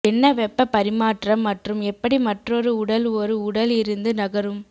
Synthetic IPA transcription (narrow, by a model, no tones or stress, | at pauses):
ɛnːɐʋɛpːɐpɐɾɪmaːʈrɐmːɐʈrɯmɛpːɐɽimɐʈrɔɾɯʊɽɐlɔɾɯʊɽɐlɪɾɯnd̪ɯnɐɣɐɾɯm